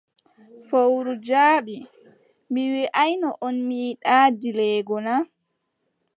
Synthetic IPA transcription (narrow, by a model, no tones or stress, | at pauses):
fowɾud͡ʒaːɓi | miwiʔajnɔʔɔnmiːɗaːdilɛːɡɔna